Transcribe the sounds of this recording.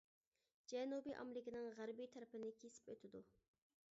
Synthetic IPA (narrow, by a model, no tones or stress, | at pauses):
d͡ʒɛnubiʔɑ̰mlɪkʲinɪŋʁæɾbijt̪ʰɛɾɪpɪnɪkʲʰesɪ̥pøt̪ʰɪd̪u